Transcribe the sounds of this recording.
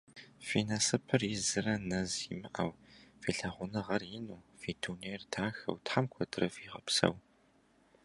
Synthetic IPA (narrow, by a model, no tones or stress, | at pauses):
finɐsɨpʰɨrɪzɨrɐnɐzḭmɨʔɐ̰wfiːɬɐʁʷʊnɨʁɐrjɪnuːfiːtʰuneːrtʰaːxɐ̰wtħamkʷʰɔdɨrɐfiːʁɐ̰psɐ̰w